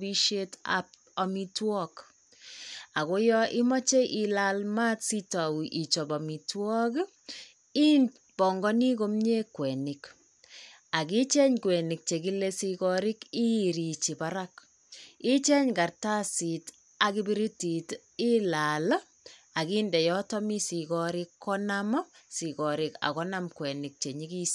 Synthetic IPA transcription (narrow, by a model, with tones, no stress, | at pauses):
bi˦ʃe˦ta̰p | a˨mi˦twɔ˦k | a˨ko˦jɔʔi˦mɔ˦t͡ʃe˦ʔi˨lalma˦tsi˦ta˨wu˨ʔi˨t͡ʃɔ˨ba˨mi˨twɔ˦k | i˦n | b̥ɔ˨ŋɡɔ˦ni˦ko˦mɲe˦kwɛ˨nɪ˨k | a˨ki˦t͡ʃɛ˦ɲkwɛ˨nɪ˨k̚t͡ʃe˨ki˦le˦si˧kɔɾɪ˦ki˦ɾi˨t͡ʃi˨baɾak | i˦t͡ʃɛ˦ɲka˨rta˦si˨t | a˨ki˦bi˦ɾi˦ti˨t | i˦la˨l | a˨kiː˦ndɛ˨jɔ˦tɔ˦mi˦si˨kɔɾɪkːɔ˦nam˦si˨kɔ˨ɾɪ˨ka̰˨kɔ˦na˦mkwɛ˨nɪk̚t͡ʃe˨ɲi˦ki˦s